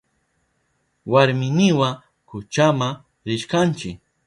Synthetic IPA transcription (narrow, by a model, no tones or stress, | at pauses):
waɾmɪnɪwa | kʊt͡ʃama | ɾɪʃkant͡ʃɪk